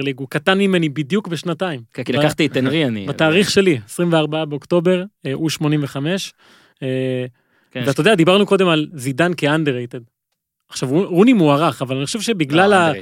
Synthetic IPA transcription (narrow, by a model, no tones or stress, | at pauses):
liɡukat̪anmime̞nibid̪jukbeʃnataimilbkaχt̪it̪enʁianḭbat̪aːʁiχʃe̞liesʁimveaʁbaabeokt̪o̞be̞ʁeʔuʃmo̞nimveχame̞ʃ | e | vveatod̪ead̪ibaʁnuko̞d̪e̞malzid̪ankeand̪eʁejt̪ed̪ | aχʃavuʁunimuaʁaχavalaniχoʃevʃe̞biɡlala